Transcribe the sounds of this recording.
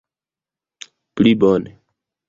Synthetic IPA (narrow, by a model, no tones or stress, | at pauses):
plibone